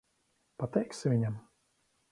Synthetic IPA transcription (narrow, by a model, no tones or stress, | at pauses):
pat̪ɛjksɪvʲiɲam